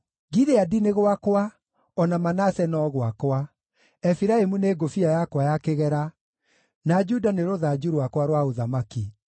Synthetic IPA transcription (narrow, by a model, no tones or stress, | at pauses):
ɡiðeadineɣwakwa | ɔnamanasɛnɔɣwakwa | ɛfiɾaemuneːɡofiajakwajakeɣɛɾa | nad͡ʒudaneɾoðad͡ʒuɾwakwaɾwaoðamaki